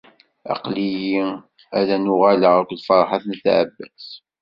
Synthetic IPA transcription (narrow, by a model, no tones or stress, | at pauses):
ɑ̰qliji | æðænʊʁæləʁækʷlfɑɾˤħaθnθʕə̰bːæs